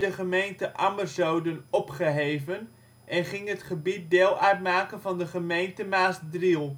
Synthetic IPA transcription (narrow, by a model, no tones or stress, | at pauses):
dəχəmejntəʔɑmərzowdənɔpχəɦejvən | ʔɛnχɪŋɦətχəbit̚deːlˠœɥtmaːkənvɑndəχəmejntəmaːsdrilˠ